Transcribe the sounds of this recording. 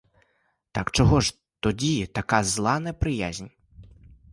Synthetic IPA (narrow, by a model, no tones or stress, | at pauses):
t̪akt͡ʃɔɦɔʒ | t̪ɔdʲit̪ɐkazlˠɑnɛpɾɪjazʲnʲ